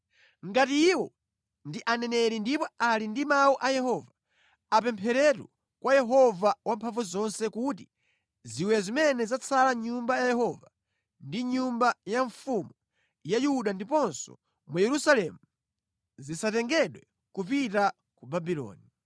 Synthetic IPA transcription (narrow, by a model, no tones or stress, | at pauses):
ŋɡatiːwɔ | ndiʔanɛnɛɾindipɔalindimauʔajɛhɔva | apɛmpʰɛɾɛtwɔ̰ | kwajɛɦɔvawampʰaɱvuzɔnsɛkuti | ziwɛzimɛnɛzat͡sʰalaɲumbajajɛɦɔva | ndiɲumbajaɱfumu | jajuɗandipɔnsɔ̰ | mujɛɾusalɛmu | zisatɛŋɡɛɗwɛ | kupita | kubabilɔ̰ːni